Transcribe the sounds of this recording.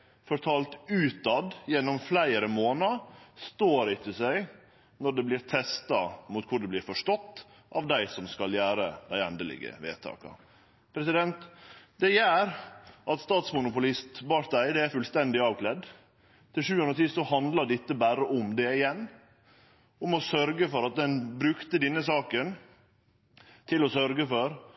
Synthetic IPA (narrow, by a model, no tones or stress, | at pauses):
fɔɾt̪ʰɑːlt̪ʉːt̪ɑd̪jɛnːɔmflæɪəɾəmoːnɑst̪oːɾɪt̪ʰəsæɪ | nɔɖɛblɪːɾt̪ʰɛst̪ɑmuːt̪̚kʰʊɖɛblɪːɾfɔʂʈɔt̪ː | ʔɑːʋd̪æɪsɔmskɑljæːɾəd̪æɪɛnd̪əlɪ̰ɡə̰ʋḛːt̪ʰɑ̰ːkɑ̰ | pʰɾɛsɪd̪ɛnt̪d̪ɛjæːɾʔɑt̪st̪ɑːt̪smʊnʊpʊlɪst̪bɑɾd̪æɪd̪ɛæɾfʉlst̪ɛnd̪ɪɑːʋkʰlɛd̪ | t̪ʰɪlʃʉːʉnɾət̪ɪsɔhɑnd̪lɑɖɪt̪ːəbæːɾəʔʊmd̪ɛɪjɛnː | ɔmɔsœɾɡəfɔɾɑt̪̚d̪ɛnbɾʉkt̪əd̪ɛnːəsɑːkən | t̪ʰɪlɔsœɾɡəfɔɾ